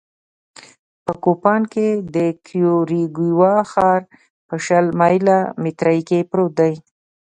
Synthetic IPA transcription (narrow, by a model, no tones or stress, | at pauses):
pəkopɑnked̪əkʰjoɾiɡiwɑxɑɾ | pəʃalmɑjlamit̪ɾajkepɾot̪̚d̪aj